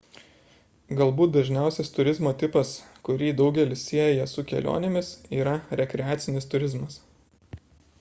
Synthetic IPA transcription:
ɡɐlˠbuːt̪̚d̪ɐʒʲnʲæˑʊsʲɛst̪ʊɾʲɪzmoːt̪ʲɪpɐskʊɾʲiːd̪ɒʊɡʲɛlʲɪssʲiɛjɛsʊkʲɛ̰lʲʔo̰ːnʲemʲɪsiːɾɐɾʲɛkʲɾʲɛæːt̪sʲɪnʲɪst̪ʊɾʲɪzmɐs

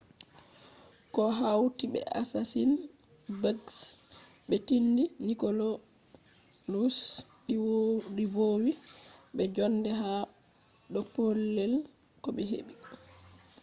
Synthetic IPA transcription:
kɔɦawtiɓɛ̰ʔa̰sasinbaɡs | ɓɛtindinikolo | lus | ɗivowiɓɛd͡ʒɔndɛɦa | ɗɔpolːɛl | kɔɓɛɦḛɓi

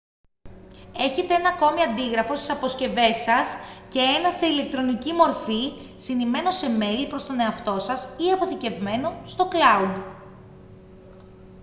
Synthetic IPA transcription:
e̞çe̞t̪e̞enɐːko̞miɐnd̪iɣɾɐfo̞st̪i̥sɐpo̞sce̞ve̞sɐsce̞e̞nɐse̞ile̞k̚t̪ɾo̞nicimo̞ɾfisinime̞no̞se̞me̞ɾipɾo̞st̪o̞ne̞ɐft̪o̞sɐsiɐpo̞θice̞vme̞no̞st̪o̞klɐud̪

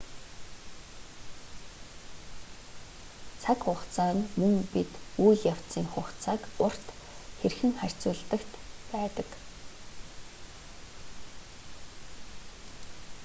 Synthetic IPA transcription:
t͡sʰakχʊχt͡sʰaːnmɵŋpit̪ujɮjaw̥t̪t͡siːŋχʊxt͡sʰaːkʊr̥t̪ | xerxɘ̆ŋχær̥ʲt͡sʊːɮt̪ə̆kt̪pæːt̪ə̆k

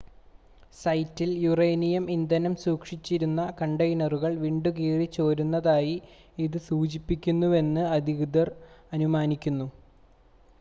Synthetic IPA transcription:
sɐjtːiljurejnijɐmind̪ɐnɐmsuːkʂit͡ɕːiɾunːɐkɐɳɖɐjnɐruɣɐɭʋiːɳɖuk̬iːrit͡ɕːo̞ːɾunːɐðaːji | iðɨsuːd͡ʑipːikʲːunːue̞nːɨɐd̪ʱiɣud̪ɐrɐnumaːnikʲːunːu

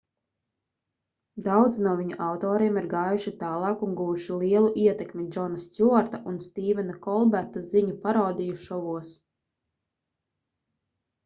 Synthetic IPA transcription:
d̪awd̪znuɔviɲuʔawt̪ɔːɾiɛmiɾɡɑːjuʃit̪aːlˠɑːkunɡuːuʃiliɛlˠuʔiɛt̪ɛkmʲid͡ʒɔnast̪sʲuɔɾt̪aʔunst̪iːvɛnakɔlˠbæɾt̪aziɲupaɾawd̪ijuʃɔvuɔs

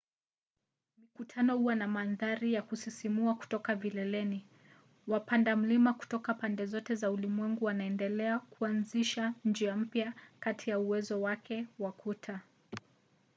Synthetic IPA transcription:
mikutʰanɔhuwanamanðaɾijakusisimuaku̥tɔkavilɛlɛni | wapandam̩limaku̥tɔkapandɛzɔtɛzaulimwɛŋɡuwanaɛndɛlɛakuanziʃand͡ʒiam̩pjakatʰijauwɛzɔwakʰɛwakʰutʰa

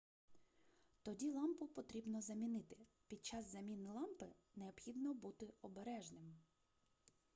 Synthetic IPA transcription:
t̪ɔdʲilˠɑmpʊpɔt̪ɾʲibnɔzɐmʲinɪt̪ɪpʲid̪̚t͡ʃɑzːɐmʲinɪlˠɑmpɪneɔpxʲid̪nɔbut̪ɪɔbeɾɛʒnɪm

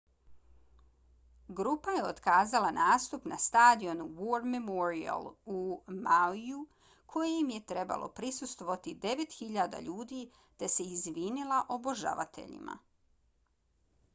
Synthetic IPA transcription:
ɡɾuːpaje̞ot̪kaːzalˠanaːst̪upnast̪aːd̪io̞nuwoɾmemoɾia̰lˠumaiju | kʰo̞jejimje̞t̪ɾe̞ba̰lˠʔo̞̰pɾisust̪ʋo̞ʋat̪id̪e̞ʋe̞t̪xiʎaːd̪a̰ʎuːd̪iː | t̪e̞se̞izʋiːnilˠaʔo̞bo̞ʒa̰ʋa̰t̪ʰe̞̰ʎḭma̰

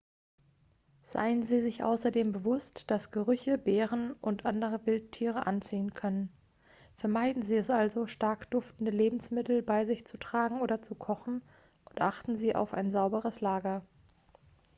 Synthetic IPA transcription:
z̥a̰ɪənziːzɪçʔa̰ʊsɐdeːmbəvʊstd̥asɡ̥əʁʏçəbeːʁənʔʊntʔandəʁ̞əvɪlttʰːiːʁəʔa̰nt͡siːənkʰœnən | fɛɐmaɪdn̩ziːɛsʔalzoʃtaɐkd̥ʊftn̩dəleːbm̩smɪtl̩baɪzɪçt͡sutʁ̥aːɡŋ̩oːɾɐt͡sukʰɔχn̩ | ʔʊntʔaχtn̩ziːʔa̰ʊfa̰ɪnzaʊbəʁəslaːɡɐ

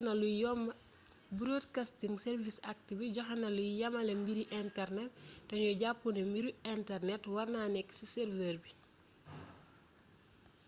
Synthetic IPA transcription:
nɐlujɔmɐ | buɾotkastiŋsɛɾvisak̚tibiɟɔxɐnɐlujɐmɐlɛmbiɾiʔɛntɛrnɛt̚dɔnjɔɟapːunɛmbiɾiɛntɛrnɛtwɐrnaːnɛksisɛɾvəɾbi

